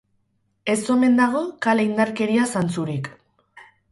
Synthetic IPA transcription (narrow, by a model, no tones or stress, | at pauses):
e̞so̞me̞nd̪aɣ̞o̞kalaind̪aɾke̞ɾiasant͡suɾik